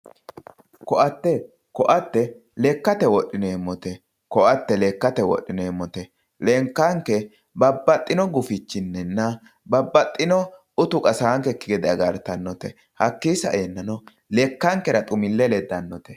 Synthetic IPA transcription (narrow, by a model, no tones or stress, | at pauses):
kɔʔɐt̪ːɛ | kɔʔɐt̪ːɛ | lɛkːɐt̪ɛwɔɗːɪneːmːɔt̪ɛ | kɔʔɐt̪ːɛlɛkːɐt̪ɛwɔ̰ɗːɪneːmːɔt̪ɛ | lɛŋkːɐŋkɛ | bɐbːɐt̪ʼːɪnɔɡʊfɪt͡ʃːɪnːɛnːɐ | bɐbːɐt̪ʼːɪnɔ | ʊt̪ʊkʼɐsaːŋkɛkːɪɡɛd̪ɪɐɡɐɾt̪ɐnːɔt̪ɛ | hɐkːiːsɐ̰ʔeːnːɐnɔ | lɛkːɐŋkɛɾɐt̪ʼʊmɪlːɛlɛd̪ːɐnːɔt̪ɛ̥